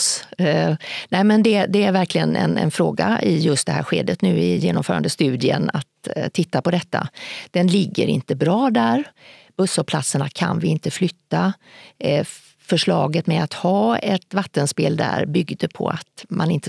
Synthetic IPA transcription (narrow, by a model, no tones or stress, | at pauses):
nɛɪmɛnd̪ɛd̪ɛæɾvæɾklɪɡənɛ̰nɛ̰nfɾoːɡaɪjɵst̪d̪ɛɦæːɾɧeːd̪ət̪nʉ̟ːɪjeːnɔmfœːɾa̰nd̪əst̪ʉ̟ːd̪ɪə̰na̰t̪ʰːɪt̪ːapɔd̪ɛt̪ːa̰d̪̥ɛnlɪɡːə̰ɾɪ̰nt̪əbɾɑːd̪æɾb̥ɵsːɔpʰlat̪səɳakʰanvɪɪnt̪əflʏt̪ːa | fœʂɭɑːɡət̪mɛat̪hɑːɛt̪vat̪ːənspeːld̪æ̰ɾbʏɡd̪əpʰɔ̰at̪manɪnt̪ə